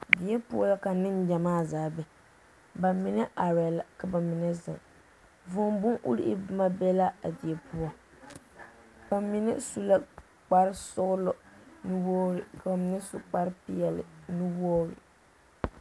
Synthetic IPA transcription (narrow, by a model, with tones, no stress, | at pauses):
di˨ɛ˦pu˦ɔ˦la˦ka˨nɨ˦nd͡ʒa˨maː˦zaː˨˦bɛ˨ | ba˨mɪ˨nɛ˦ʔa˨ɾɛ˨la˨ka˨ba˨mɪ˨nɛ˦zɪ̰˨ŋ | vʊ˦mbʊ˦ŋʔṵ˦ɾi˦ʔi˦bʊ˦ma˦bɛ˦la˦a˨di˨ɛ˨pu˦ɔ˦ | ba˨mɪ˨nɛ˦su˦la˦ | k͡pa˨ɾɪ˦sʊ˦ɣʊ˦lʊ˦nɨ˦wo˦ɾɪ˨ka˨ba˨mɪ˨nɛ˦sʊ˦k͡pa˦ɾɪ˦pi˦ɛ˨lɪ̰˨nɨ˦woː˦ɾɪ̰˨